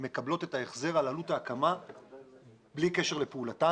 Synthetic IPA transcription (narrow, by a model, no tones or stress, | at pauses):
me̞kablo̞t̪e̞tae̞χze̞ʁalalutaːkama | blike̞ʃe̞ʁle̞peulata